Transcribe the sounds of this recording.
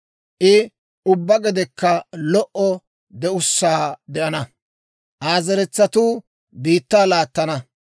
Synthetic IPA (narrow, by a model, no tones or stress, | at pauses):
ʔɪ | ʊbːɐɡɛd̪ɛkːɐlɔʔɔ | d̪ɛʊsːaːd̪ɛʔɐnɐ | ʔaːzɛɾɛt͡sːɐt̪uː | biːt̪ːaːlaːt̪ːɐnɐ